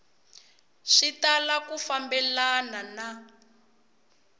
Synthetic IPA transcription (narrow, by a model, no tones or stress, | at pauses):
ʂitalakufambɛlanana